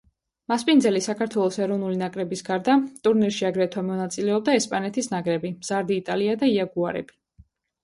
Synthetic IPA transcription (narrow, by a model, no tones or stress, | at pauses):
maspʼind̪zɛlisakʰaɾt̪ʰwɛlˠɔsɛɾɔvnulinakʼɾɛbisɡaɾd̪at̪ʼuɾniɾʃiaɡɾɛt̪ʰwamɔnat̪sʼilɛɔb̚d̪aɛspʼanɛt̪ʰisnakʼɾɛbimz̥aɾd̪iːt̪ʼaliad̪aiaɡuaɾɛ̰bi